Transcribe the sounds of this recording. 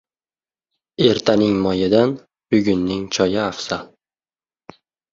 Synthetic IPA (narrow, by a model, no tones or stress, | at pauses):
e̞ɾt̪ʰanɪŋmɒjɪd̪an | bʊɡʲʊnːɪŋt͡ʃʰɒjɪafsa